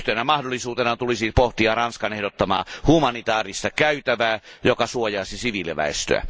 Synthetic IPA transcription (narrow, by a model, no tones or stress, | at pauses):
t̪enæmɑhdolːˑisuːt̪enɑt̪ulisipoht̪iɑrɑnskɑnehdot̪ːɑmɑ̰ːhumɑnit̪ɑːrist̪ɑkæyt̪æʋæːjokɑsuojɑˑːsisiʋilːeʋæ̰ḛst̪ø̰æ̰